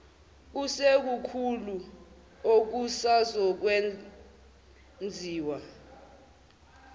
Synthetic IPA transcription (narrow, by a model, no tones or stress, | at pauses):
k̬usek̬ukʰulu | ok̬usazɔk̬we | nd͡zʱiːwa